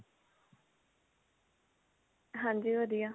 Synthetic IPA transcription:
ɦãːɲd͡ʒiːʋəd̪ijaː

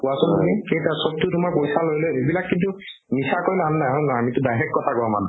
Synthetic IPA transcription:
puasɔnnɛkejtasɔt̪ːutʊmaɹpojsalojloebilakːintu | nisakojlamnajɦɔ̃naamitʊdajɦɛkːɔtʰakɔɔman

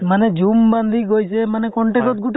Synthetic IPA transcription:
maned͡ʒumband̪ʱiɡojsʰemanɛkɔɳʈekɔt̪̚ɡuʈ

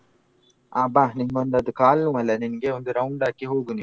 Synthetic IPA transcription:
aːbaːniŋɡond̪ɐd̪ukaːlnũːɐlːɐninɐɡeːond̪uɾɐwɳɖaːkiɦoːɡuni

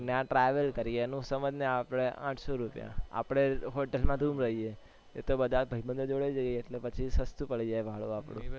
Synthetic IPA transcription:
neãʈɾɛʋəlkəɾienũsəməd͡ʒneapɽeʔã̰ʈʰsoɾupjã̰a̰pɽ̃eɦoʈelmãd̪ʱumɾəɦie | et̪obəd̪ʱabʱəɦibənd̪ʱod͡ʒoɭed͡ʒaieeʈlepət͡ʃʰisəst̪upəɭid͡ʒajbʱaɭoapɽõ

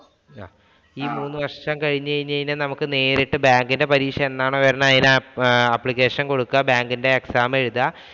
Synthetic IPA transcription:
aː | iːmuːnːɨʋɐrʂt͡ɕɐmkɐɻiɲːɨt͡ɕɐjiɲːɐjinːɐnɐmukːɨne̞ːɾiʈːɨbaːŋɡinde̞pɐɾiːkʂɐme̞nːaːɳoːʋɐɾɐnaðinaɐpːɭikʲːe̞ːʂɐnko̞ɽukːɐbaːŋɡinde̞ːksaːmeɻuðɐ

